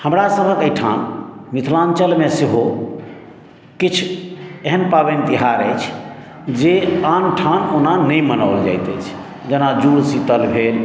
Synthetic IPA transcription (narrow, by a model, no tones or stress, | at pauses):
həmɾasəbʱəkəjʈʰa̰nmit̪ʰlant͡ʃəlmeseɦo | kit͡ʃʰeɦənpaβent̪iɦaɾəjt͡ʃʰ | d͡ʒeanʈʰanonanəjmənaʊld͡ʒa̰jt̪əjt͡ʃʰ | d͡ʒenad͡ʒuɽsit̪əlbʱel